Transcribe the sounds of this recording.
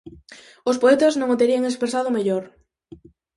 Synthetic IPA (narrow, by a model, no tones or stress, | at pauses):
ʊspoet̪ɐznõŋot̪eɾiɐŋespɾesað̞ʊmeʎoɾ